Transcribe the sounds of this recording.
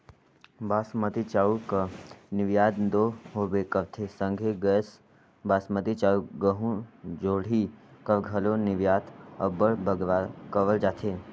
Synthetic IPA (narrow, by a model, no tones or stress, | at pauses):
baːsmət̪it͡ʃaːukənɪʋjaːd̪nd̪oːɦobekəʋt̪ʰesə̃ŋɡʱeɡəs | baːsmət̪it͡ʃaːuɡəɦũd͡ʒoːɽ̤ikəʋɡʱɐlonɪʋjaːt̪ɐbəɽbəɡʋakəʋəld͡ʒaːt̪ʰeː